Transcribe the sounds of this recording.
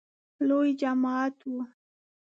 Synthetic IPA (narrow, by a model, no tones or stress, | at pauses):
lojd͡ʒamaːt̪ʊ